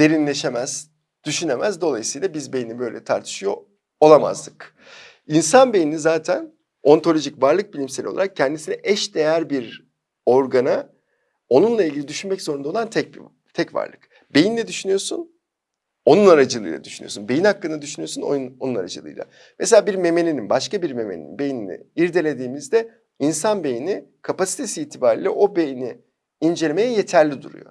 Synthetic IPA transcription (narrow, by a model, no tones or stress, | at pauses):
d̪̥e̞ɾinlʲe̞ʃe̞mæz̥ | d̪̥yʃynemæzd̪o̞lˠajɯsɯjlˠabizbejinibø̞jlʲɛt̪ʰaɾt̪ʰɯ̥ʃɯjo̞̰ | olˠama̰zlˠɯk | insanbe̞jiinizaːt̪ʰæn | o̞nt̪ʰo̞lʲo̞ʒicvaɾlˠɯk̚bilʲimselʲio̰aɾak̚cʰɛnd̪isinɛʔɛʃd̪e̞jæɾbiɾ | o̞ɾɡana | o̞nunlˠailʲɡɟilʲid̪yʃynmɛczoɾund̪olˠant̪ʰɛc̚b | t̪ʰɛcva̰ɾlˠɯ̰k | b̥e̞jind̪ʲɛd̪yʃynyjo̞sun | o̞nunaɾad͡ʒɯlˠɯ̰jlˠa̰d̪yʃyny̰josunbejinhakːɯnd̪ad̪yʃynyjo̞suno̰jnonuna̰ɾa̰d͡ʒɯ̰lˠɯ̰jlˠa̰ | meselʲaːbiɾme̞me̞lʲininbaʃkabiɾme̞mḛl̰ʲḭnbe̞jinḭnḭiɾd̪e̞lʲe̞d̪iːmizd̪ɛ | insanbe̞jinikʰapasi̥t̪ʰe̞siːt̪ʰibaːɾilʲɛʔo̞be̞jinɪ | ind͡ʒelʲeme̞jɛje̞t̪ʰæɾlʲid̪ṵɾṵjo̰